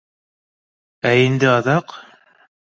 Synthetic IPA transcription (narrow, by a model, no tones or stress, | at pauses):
æind̪ɘɑðɑq